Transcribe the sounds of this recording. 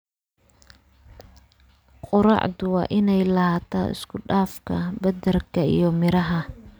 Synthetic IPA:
qʼʊɾɑ̰ːʕd̪ʊwɑ̰ːʔɪnɛjlɐhaːt̪ʰa̰ːɪ̰skʰʊɖaːfkʰɐbɐd̪ɐrkʰɐḭjɞmɪɾɐɦɐ

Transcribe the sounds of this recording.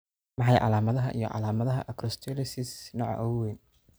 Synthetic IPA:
mɑħɑjʕɑ̰laːmɐðɐɦɐʔḭjɞ̰ʕɑ̰laːmɐðɐɦɐ̰ʔɐkɾɔst̪ʰɔlɪsɪsnɔːʕ̰ʔɔwɛːn

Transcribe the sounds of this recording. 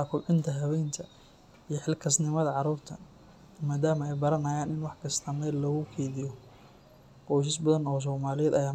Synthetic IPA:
akʰʊlʕɪnt̪ʰɐɦɐβɛjnt̪ʰɐ | ijɞħɪlkʰɐsnɪmɐðɐʕɑɾuːrt̪ʰɐ | maːd̪aːmɐɛjbɐɾɐnɐːjaːnɪnwɑħkʰɐst̪ʰɐmɛːlɔɣʊkʰɛːðɪjɔ | qɔːs̬ɪs̬bɐðɐnɔːs̬ɔːmaːlɪjɛːd̪ɐjaː

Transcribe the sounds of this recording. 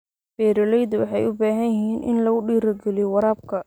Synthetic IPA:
b̥ɛːɾɐlɛjd̪wɑ̰ħɑjʊbaːɦɐjɪɦiːnʔɪ̰nlɐɣʊɖiːɾɐrɡɛlijɔwɑɾaːb̚kʰɐ

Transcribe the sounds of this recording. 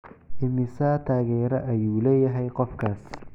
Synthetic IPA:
ʔɪmɪsaːt̪ʰaːɣɛːɾɐʔɐjuːlɛːjɐɦɛjqɔfkʰaːs

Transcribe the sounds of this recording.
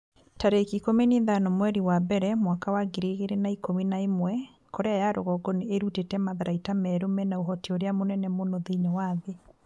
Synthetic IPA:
taɾekikomeneðanɔmwɛɾiwabɛɾɛmwakawaɡeɾeɣeɾenaikominaemwɛ | koɾeajaɾʔo̰ɣɔɡɔneeɾutetɛmaðaɾʔaitamɛɾomɛnaoɦɔtioɾeamonɛnɛmonoðeɲɔwaðe

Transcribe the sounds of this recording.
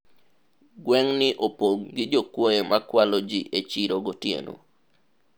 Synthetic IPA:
ɡwɛŋnɪʔopoŋɡɪd͡ʒokwojemakwalod͡ʒiʔet͡ʃiɾoɡotiḛno̰

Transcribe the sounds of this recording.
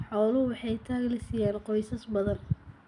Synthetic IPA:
ħɔːlɐɦʊwɑħɑjt̪ʰaːɣlɪsɪjaːnqɔjsɐsbɐðɐn

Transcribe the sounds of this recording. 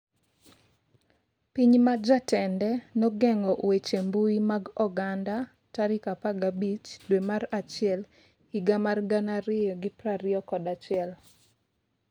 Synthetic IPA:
piɲmad͡ʒatɛndɛnɔɡɛŋɔʔwet͡ʃembuimaɡɔɡanda | taɾikapaɡabit͡ʃdwemaɾat͡ʃɪɛl | iɡamarɡanaɾɪjɔɡɪpɾaɾɪɔkɔdat͡ʃɪɛl

